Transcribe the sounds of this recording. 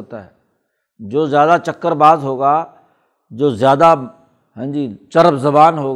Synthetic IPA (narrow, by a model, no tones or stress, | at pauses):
ot̪aɦɛ | d͡ʒoːzjaːd̪at͡ʃɐkːəɾbaːzɦoːɡaː | d͡ʒoːzjaːd̪a | ɦɛ̃ːnd͡ʒit͡ʃɐɾəbzɐbaːnɦoː